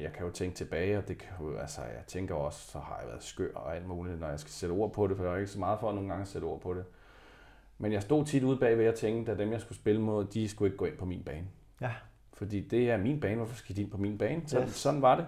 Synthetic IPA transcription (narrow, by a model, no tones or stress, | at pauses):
jɑ̈ɪkʰæjo̝t͡sʰeŋɡ̥ə̥t͡sʰe̝b̥ɛːɪɒ̽d̥e̝kʰæoælsəjɑ̰̈ɪt͡sʰeŋɡ̥ɐɒ̽ssɒ̽hɑ̈jɑ̈ʋæːɐðˠsɡ̥øɐ̰ɒæl̰d̥muːlinɒjɑ̈ɪsɡ̥æ̥seɾ̥əo̝̰ɐ̰pʰɒ̽ɾefɒjaae̝ɡ̥sɒmɑ̈ːð̞̩ˠfɒ̽ːno̝ːŋ̩ɡ̥ɑ̈ŋseɾ̥əo̝ɐ̰pʰɒ̽d̥e̝ | menjɑ̈ɪsd̥o̝̰ːt͡sʰid̥uðˠb̥ɛ̰ːʋejæt͡sʰeŋɡ̥əd̥æd̥emjɑ̈sɡ̥usb̥e̝ləmoðˠd̥isɡ̥ue̝ɡ̥ɡ̥ɔ̰̽e̝npʰɒ̽mḭːnb̥ɛ̰ːn | fɒ̽d̥ḭːd̥e̝æɐmḭːnb̥ɛːnʋɒfɒ̽sɡ̥æ̥d̥ie̝npʰɒ̽mḭːnb̥ɛːnsɒsɒ̽d̥n̩ʋɑ̈ɾe̝